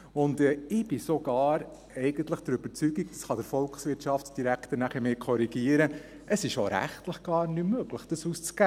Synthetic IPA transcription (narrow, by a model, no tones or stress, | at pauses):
ʊndɛːɪb̥ɪsoɡ̥ɑːɾ | ɛɪɡ̥ənt̪ləχd̥əɾøb̥əɾt͡syɡiktə̥sχɑd̥̪əɾfɔlˠksʋɪtt͡ʃɑftsd̥iɾækt̪əɾnæχəɾmeːkʰɔɾiɡ̥iəɾə | əsɪʃoɾæ̰χt̪ləχɡ̥ɑːɾnymːøɡ̥ləχd̥əsuːst͡skæ